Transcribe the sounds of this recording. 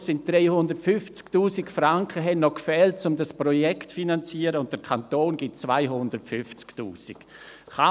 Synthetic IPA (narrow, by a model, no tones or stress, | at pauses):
sɪnt̚d̥ʁeɪhʊndəɾtfʏft͡sktuːsikfraŋkəɦɛnnɔkfɛːlt̚t͡sʊmdasprɔjɛktfinant͡siːəɾəʊnt̚d̥əɾkʰantoːnɡɪt̚t͡svaɪɦʊndəɾtfʏft͡sktuːsik | χa